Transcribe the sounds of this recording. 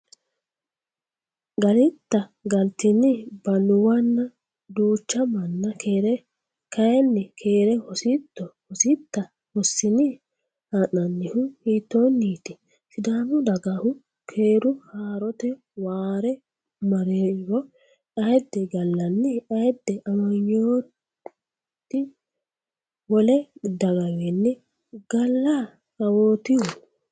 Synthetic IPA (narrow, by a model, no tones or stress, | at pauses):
ɡɐlɪt̪ːɐɡɐlt̪ɪnːɪbɐlʊwɐnːɐ | d̪uːt͡ʃːɐmɐnːɐkeɾɛ | kʰɐjɛnːɪkʰe̞ːɾɛhɔsit̪ːɔhɔsɪt̪ːɐ | hɔsːɪnɪ | hanɐnːɪhʊhiːt̪ːoːnːiːt̪ɪ̥ | sɪd̪aːmʊd̪ɐɡɐhʊ | kʰeːɾʊhaːɾɔt̪ɛ | waːɾɛ | mɐɾeːɾɔ | ɐjd̪ːɛɡɐlːɐnːɪʔɐjd̪ːɛʔɐmɐɲːoː | t̪ːɪ | wɔlɛd̪ɐɡɐwenːɪ | ɡ̥ɐlːa | kɐwoːt̪ɪhʊ